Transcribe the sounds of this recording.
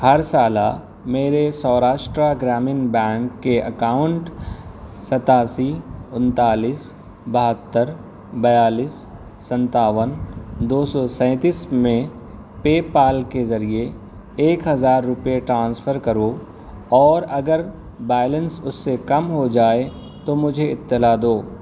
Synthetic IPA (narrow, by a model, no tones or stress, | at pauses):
hɐɾsaːla̰ | meːɾesɔːɾaːʃʈɾaɡɾaːmɪnbɛ̃ːŋkːeɐkaːʊ̃ɳʈ | sɐt̪aːsiʊ̃nt̪aːliːs | bɐɦət̪ːəɾ | bɐjaːliːsː | ə̃nt̪aːʋənd̪oːsɔsɛ̃ːt̪iːsmẽ | peːpaːlkezɐɾie | eːkɦɐzaːɾːʊpeʈɾãːnsfʰəɾkɐɾo | ɔːɾɐɡəɾ | bɛːlə̃nsʊsːekɐmɦod͡ʒaːe | t̪omʊd͡ʒʱeɪt̪ːɪlad̪oː